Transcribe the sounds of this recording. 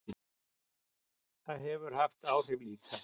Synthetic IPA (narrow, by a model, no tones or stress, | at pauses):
θaðɦɛvʏɾ̥haft̪aːwr̥ɪvliːkʰa